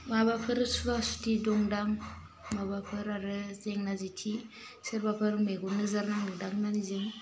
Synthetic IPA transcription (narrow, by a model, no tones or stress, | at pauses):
mabapʰəɾɯsʰuvasu̥tidoŋdaŋ | mabapʰɯɾaɾɯzeŋnazitʰi | siɾbapʰɯɾmeɡunəzaɾnaŋdɯdaŋnanizeŋ